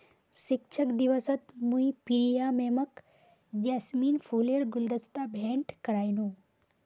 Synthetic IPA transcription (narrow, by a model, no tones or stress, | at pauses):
sɪk̚t͡ʃʰəkd̪iʋəsət̪mũipiɾijaːmeːmɐk | d͡ʒasmiːnfʰuːliəɾɡʊld̪əst̪abʱeːɳʈkɐɾaːjnũː